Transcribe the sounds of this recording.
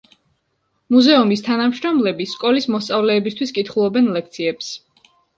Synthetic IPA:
muzɛumist̪ʰanamʃɾɔmlɛbiskʼɔlismɔst̪sʼavlɛːbist̪ʰwiskʼit̪ʰχulˠɔbɛnlɛk̚ʰt̪sʰiɛps

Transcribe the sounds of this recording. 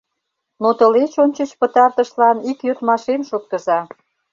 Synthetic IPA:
not̪ə̆let͡ɕonʲt͡ɕət͡ɕpət̪ɑrt̪ə̆ʃlɑnikjøt̪mɑʃemʃot̪̚kə̆zɑ

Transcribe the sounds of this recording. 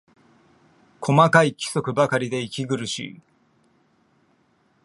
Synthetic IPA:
kʰo̞makaikʲi̥so̞kɯ̟bakaɾʲid̪e̞ikʲiɡɯ̟ɾɯ̟ɕḭ

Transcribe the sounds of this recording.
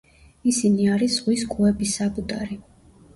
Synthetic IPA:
isiniaɾisʁwiskʼuɛbisabud̪aɾi

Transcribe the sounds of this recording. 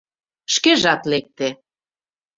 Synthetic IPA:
ʃkeʒɑt̪lek̚t̪e

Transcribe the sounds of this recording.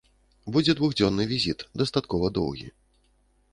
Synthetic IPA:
bud͡zʲɛd̪vuɣd͡zʲɔnːɨvʲizʲit̪d̪ɐst̪at̪kɔvɐd̪ɔ̰wɣʲḭ

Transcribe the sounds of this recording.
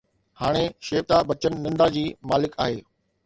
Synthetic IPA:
haːɽ̃eʃeːʋt̪abɐt͡ɕənnɪ̃nd̪ad͡ʑiːmaːlɪka̰ːɦeː

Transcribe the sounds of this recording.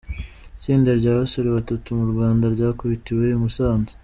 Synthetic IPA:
t͡siːndeɾɟaːβasoɾeβatatumuɾɡwaːndaɾɟaːkuβitiweimusaːnzi̥

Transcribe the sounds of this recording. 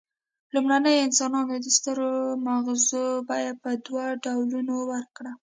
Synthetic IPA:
lumɽanəjɪnsɑnɑnod̪əst̪əɾomaɣzobɑjad̪̚pəd̪waɖawlunowəɾkɽa

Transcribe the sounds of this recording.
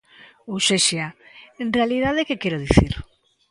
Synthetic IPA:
oseʃiaenrealiðaðekekɛɾoðiθiɾ

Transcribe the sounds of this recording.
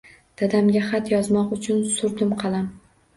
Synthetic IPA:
d̪̥ad̪amɡʲaχɑt̪jɒzmɒqʊt͡ʃʰʊnsʊɾd̪ɪmqʰɑlˠam

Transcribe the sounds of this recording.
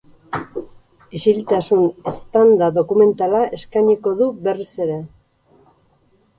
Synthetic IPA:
iʃilt̪asune̞st̪and̪aðo̞kume̞nt̪alaʔe̞skajɲiko̞ðuβe̞rise̞ɾe̞

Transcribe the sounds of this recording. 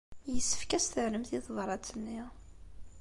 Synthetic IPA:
jəsːə̥fkæst̪əʕləmθiðˤvɾˤɑt͡sːənːi

